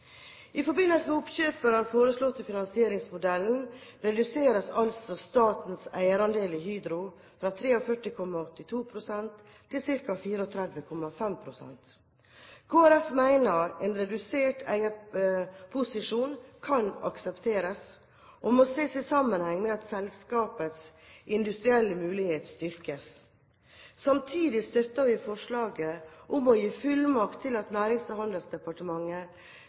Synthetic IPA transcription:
ʔɪfɔɾbɪnːəlsəmɛʊpɕøːpəɾhɑːɾfoːɾəslɔt̪ːɪfɪnɑnsɪeːɾɪŋsmʊd̪ɛln̩ɾɛd̪ʉseːɾəsɑlsɔst̪ɑːt̪n̩sæɪəɾɑnd̪eːlɪɦyːd̪ɾʊ | fɾɑt̪ʰɾeːɔfœʈːɪkʰɔmːɑɔt̪ːɪt̪ʰuːpʰɾʊsɛnt̪ʰː | ɪlsɪɾkɑfiːɾəɔt̪ʰɾɛd̪ʋəkʰɔmːɑfɛmpʰɾʊsɛ̰nt̪ | kʰoːæɾɛfmæɪnəɾɛːnɾɛd̪ʉseːʈæɪə | pʰʊsɪʂuːnkʰɑnɑ̰ksɛpt̪ʰeːɾəs | ʔɔmɔseːsɪsɑmːənhɛŋːmɛɑt̪sɛlskɑːpət̪sʔɪnd̪ʉst̪ɾɪɛlːəmʉːlɪheːt̪st̪ʏɾkəs | sɑmt̪ʰiːd̪ɪst̪œɾt̪ɑʋɪfɔʂɭɑːɡəʔʊmɔjiːfʉlmɑkt̪ʰːɪlɑt̪næːɾɪŋshɑnd̪əl̩sd̪ɛpɑʈəmɑŋːə

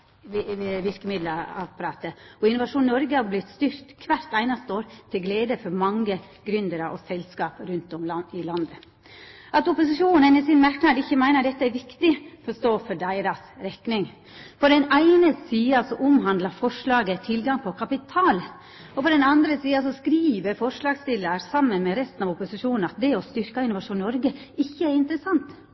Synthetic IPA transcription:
ʋɪɾkəmɪd̪ləɑ̰pɑɾɑːt̪əɔɪnʊʋɑʂuːnːɔɾɡəhɑɾblɪt̪st̪yɾt̪kʰʋæɾt̪æɪnɑst̪əoːɾt̪ʰɪlɡleːd̪əfɔɾmɑŋːə | ɡ̥ɾʉnd̪əɾʔɔ̰sɛlskɑːpɾʉnt̪ɔmlɑɪlɑnd̪ə | ʔɑt̪ɔpʊsɪʂuːnənɪsɪnmæɾknɑːd̪ɪçːəmæɪnəɖ̪ɛt̪ːəæɾʋɪkt̪ɪfɾɔʂt̪oːfɔɖæɪɾɑsɾɛknɪŋ | pʰɔd̪ɛnæɪnəsiːɑsɔʔʊmɦɑnd̪lɑfɔʂɭɑːɡət̪ʰɪlɡɑŋpʰɔkʰɑpɪt̪ʰɑːl | ɔpɔd̪ɛnɑnd̪ɾəsiːɑsɔskɾiːʋəɾfɔʂɭɑːɡst̪ɪlːəɾsɑmːənmɛɾɛst̪nɑʋɔpʊsɪʂuːnn̩ɑt̪̚d̪ɛɔst̪ʏɾkɑɪnʊʋɑʂuːnnɔɾɡəɪçːəæɾɪnt̪əɾəsɑnt̪

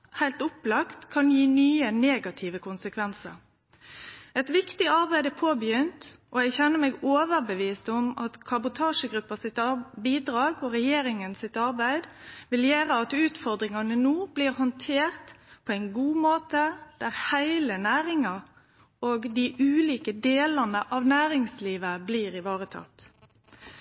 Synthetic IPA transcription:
hæɪlt̪ʊplɑkt̪kʰɑnjiːnyːəneːɡɑt̪ʰɪʋəkʊnsəkʰʋɛnsə̰ɾ | ɛt̪ʋɪkt̪ɪɑɾbæɪd̪ɛpʰoːbəjʏnt̪ | ʔɔɛɡçɛnːəmeːɡoːʋəɾbəʋiːst̪ʊmɑt̪kʰɑbʊt̪ʰɑːʂəɡɾʉpːɑsɪt̪ɑbiːd̪ɾɑːɡɔɾɛjeːɾɪŋənsɪt̪ɑɾbæɪd̪ʋɪljeːɾəɑt̪ʉːt̪fɔʁd̪ɾɪŋɑnənuːb̥liːɾhɔnt̪ʰeːʁt̪pʰɔɛɪnɡuːmoːt̪əd̪̥æʁhæɪlənæːɾɪŋɑ | oːɡd̪iʔʉːliːkəd̪eːlɑnəʔɑʋnæːɾɪŋsliːʋəbliːɾɪʋɑːʁət̪ʰɑ̰t̪ː

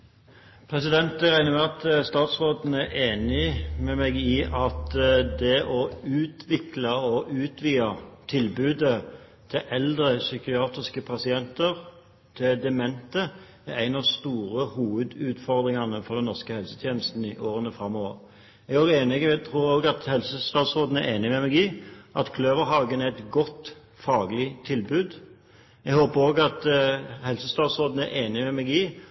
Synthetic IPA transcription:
pʰʁɛsɪd̪ɛnt̪æʁæɪnəmɛɑt̪st̪ɑːt̪sʁoːd̪n̩æʁʔeːnɪmɛmɛɡɪʔɑt̪d̪ɛʔɔʉːt̪ʰʋɪklɑɔʔʉːt̪ʰʋiːɑt̪ʰɪlbʉːd̪ə | t̪ʰɪʔɛld̪ʁəsʏkɪɑːt̪ʁɪskəpʰɑsɪɛnt̪əʁ | t̪ʰɪd̪ɛmɛnt̪ə | ææɪnɑst̪uːʁəhuːʋʉd̪ʉːt̪fɔʁd̪ʁɪŋɑnəfɔʁd̪ɛnɔʁskəhɛlsət̪ʰjeːnəst̪n̩ɪʔoːʁənəfʁɑmːɔʋəɾ | ɛɡæːʁeːnɪɡɛt̪ʰɾuːɾoːɡɑt̪hɛlsəst̪ɑːt̪sʁoːd̪n̩æʁeːnɪmɛmɛɡiːʔɑt̪kʰløːʋəɾɦɑːɡənæɛt̪ɡɔt̪ː | fɑːɡlɪt̪ʰɪlbʉːd̪ | ɛɡhoːpəʁoːɡɑt̪hɛlsəst̪ɑːt̪sʁoːd̪n̩æʁʔeːnɪmɛmɛɡiː

